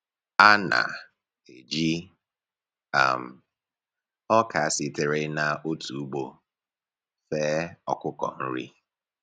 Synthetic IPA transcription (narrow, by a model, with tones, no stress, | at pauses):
a˦na̰˨ | e˨d͡ʒi˦ | a̰˨m̩˨ | ɔ˦ka˨a˨sɪ˨tɪ˨ɾe˦na˨ʔo˦tu˨u˦ɡ͡bo˨ | fɛː˦ɔ˨kʷʊ˦kɔ̰˨n̩˦ɾḭ˦